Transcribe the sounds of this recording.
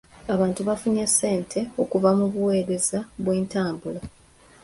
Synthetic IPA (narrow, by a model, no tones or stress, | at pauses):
aβaːntuβafuɲesːe̞ːntʰe̞o̞kuvamuβuwe̞ːɾe̞zaβweːntaːmbula